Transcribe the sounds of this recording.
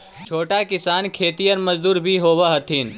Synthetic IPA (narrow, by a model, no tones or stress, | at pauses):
t͡ʃʰoːʈakɪsaːnkʰeːt̪ijənmɐzd̪uːɾbʱiɦoːwaɦɐt̪ʰiːn